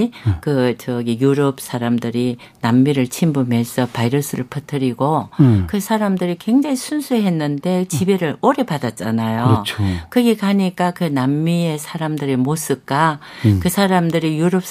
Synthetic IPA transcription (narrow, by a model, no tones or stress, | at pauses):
kɯt͡ɕʌɡijuɾʌp̚s͈ʰaɾamdɯɾi | namːiɾɯɭt͡ɕʰimbume̞sʰʌpaiɾʌs͈ʰɯɾɯɭpʰɯtʰɯɾiɡokɯsʰaɾamdɯɾikwe̞ŋd͡ʑaɦisʰunsʰuɦe̞nːɯnde̞t͡ɕibe̞ɾɯɾoɾe̞padat̚t͡ɕ͈a̰najokɯɡekaɲik͈akɯnamːie̞sʰaɾamdɯɾimos͈ɯk͈akɯsʰaɾamdɯɾijuɾʌp̚